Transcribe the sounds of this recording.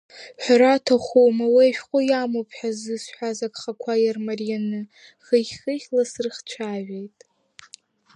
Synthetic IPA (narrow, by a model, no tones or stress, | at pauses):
ħʷᶣaɾatʰaχʷowmawaʃᶣqʷʼʊjamopʰħᶣazɨsħʷᶣazakʼχakʷʰajarmarijanɨ | χəχʲχɨχʲlasrɨχt͡ʃʷʰaːʒʷᶣejtʼ